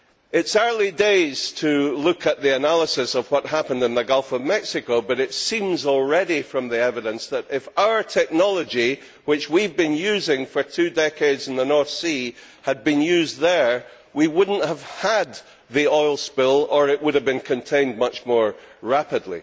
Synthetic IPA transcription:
ɪtsɜ˞lˠideɪz̥tʰəlˠʉkʰəʔ̪̚ðiɨnalˠəsɨsʌv̥wʌʔ̚ɦapə̃ndɨ̃nðəɡʌlˠfəvmɛksɪkobʌɾɪtsĩmzɔlˠɹɛɾifɹʌ̃mðiɛvɨɾə̃nsðəɾɪfaʊə˞tʰɛk̚nɔlˠəd͡ʒi | wɪt͡ʃwivbĩnjʉzɪ̃ŋfə˞tʰʉdɛkʰeɪdzɨ̃n̩ðənɔɹθsi | əd̚bĩnjʉzðə˞ | wiwʊdⁿn̩ʔhəv̥əd̪̚ | ðiɔɪlˠspɪlˠə˞ɪʔwʊɾəvbĩnkʰɨ̃ntʰẽɪ̃nmʌt͡ʃmɔɹɹapɨdˡlˠḭ

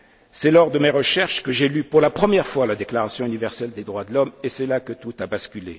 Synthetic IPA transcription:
sɛlɔʁd̪əmeʁəʃɛʁʃkəʒelypuʁlapχəmjɛʁfwalad̪eklaʁasjɔ̃ynivɛʁsɛld̪ed̪ʁwad̪əlɔmesɛlakət̪ut̪abaskʲylḛ

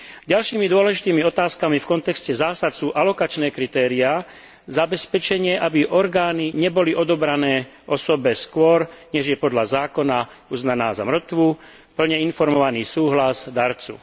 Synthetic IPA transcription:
ɟalʃiːmid̪ʊɔlɛʒit̪iːmiɔt̪aːskamifkɔnt̪ɛkscɛzaːsat̪suːʔalɔkat͡ʃnɛːkɾit̪ɛːɾia | zabɛspɛt͡ʃɛɲɪɛʔabiʔɔɾɡaːniɲɛbɔliʔɔd̪ɔbɾanɛː | ʔɔsɔbɛskʊɔɾɲɛʒjɛpɔd̪ʎazaːkɔna | uznanaːza̰mr̩t̪ʋu | pl̩ɲɛinfɔɾmɔʋaniːsuːɦlazd̪aɾt͡sṵ

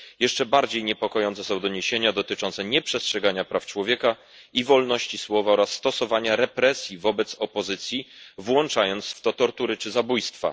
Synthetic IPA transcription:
jɛʂt͡ʂɛbaɾd͡ʑejɲɛpɔkɔjɔnt̪sɛsɔ̃w̃d̪ɔɲeɕeɲad̪ɔt̪ɘt͡ʂɔnt̪sɛɲɛpʂɛstʂɛɡaɲapɾaft͡ʂwɔvʲjɛka | ivɔlnɔɕt͡ɕiswɔvaɔɾasːt̪ɔsɔvaɲaɾɛpɾɛsʲjivɔbɛt̪sɔpɔzɘt̪sʲjivwɔnt͡ʂajɔnt̪sft̪ɔt̪ɔɾt̪uɾɘt͡ʂɘzabujst̪fa̰

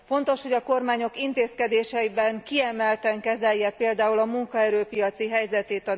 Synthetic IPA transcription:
fo̞nt̪o̞ʃho̞ɟɒko̞rmaːɲo̞kint̪eːskɛd̪eːʃɛibɛŋkiɛmɛlt̪ɛŋkɛzɛjːɛpeːld̪aːulɒmuŋkɒɛɾøːpijɒt̪siɦɛjzɛt̪eːt̪ɒ

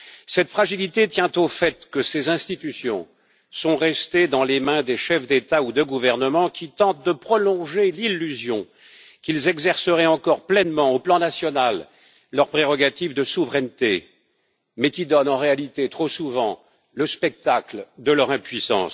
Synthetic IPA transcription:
sɛt̪fχaʒilit̪et̪jɛ̃t̪ofɛt̪kəsezɛ̃st̪it̪ysjɔ̃ | sɔ̃ʁɛst̪ed̪ɑ̃lemɛ̃d̪eʃɛfd̪et̪aud̪əɡuvɛʁnəmɑ̃kʲʰit̪ɑ̃t̪̚d̪əpχɔlɔ̃ʒelilːyzjɔ̃ | kʲilzɛɡzɛʁsəʁɛɑ̃kɔʁplɛnmɑ̃oplɑ̃nasjɔnalː | œʁpχeʁɔɡat̪ivd̪əsuvʁɛnt̪ḛ | mɛkʲid̪ɔnɑ̃ʁealit̪et̪χosuvɑ̃ | ləspɛk̚t̪akld̪əlœʁɛ̃pɥisɑ̰̃s

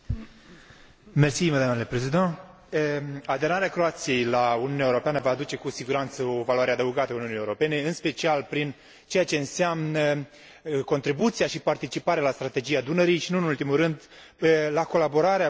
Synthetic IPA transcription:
mersiməd̪amnule̞pɾezid̪ã | ad̪e̞ɾaɾeakɾo̞at̪sije̞jlauniunaeuɾo̞peanəvaːd̪ut͡ʃe̞kusiɡuɾant̪səo̞valuaɾead̪əuɡat̪əauniunijeuɾo̞pe̞ne̞ɨnspe̞t͡ʃialpɾin | t͡ʃe̞jat͡ʃe̞ɨnseamnə | ko̞nt̪ɾibut̪sijaʃipart̪it͡ʃipaɾealast̪ɾat̪e̞d͡ʒijad̪unəɾijʃinunult̪imurɨnd̪lako̞labo̞ɾaɾea

